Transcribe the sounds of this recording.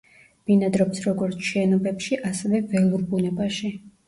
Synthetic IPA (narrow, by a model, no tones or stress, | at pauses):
b̥inad̪ɾɔpsɾɔɡɔɾt̪sʰʃɛnɔbɛpʃiʔasɛvɛvɛlˠuɾbunɛbaʃi